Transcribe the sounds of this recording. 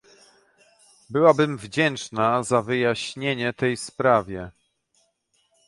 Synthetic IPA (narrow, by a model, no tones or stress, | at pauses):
bɘwabɘmvd͡ʑɛnt͡ʂnazavɘjaɕɲeɲɛt̪ɛjspɾavʲjɛ